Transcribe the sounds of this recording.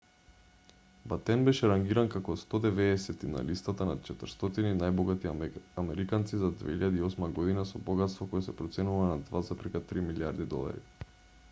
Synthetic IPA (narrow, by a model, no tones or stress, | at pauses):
bat̪ɛnbɛʃɛɾaŋɡiɾankakɔst̪ɔd̪ɛvɛːsɛt̪ːina̰list̪at̪anat̪̚t͡ʃɛt̪ərɾst̪ɔt̪ininajbɔɡat̪iamɛɾikant̪sizad̪vɛ̰iʎad̪iɔsmaɡɔd̪inasɔbɔɡat̪st̪vɔkɔjɛsɛpɾɔt̪sɛnuvanad̪vazapɾikat̪ɾimiliaɾd̪id̪ɔ̰lˠa̰ɾḭ